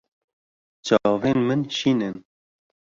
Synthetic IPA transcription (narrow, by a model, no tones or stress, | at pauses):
t͡ʃɑːveːnmɨnʃiːnɨn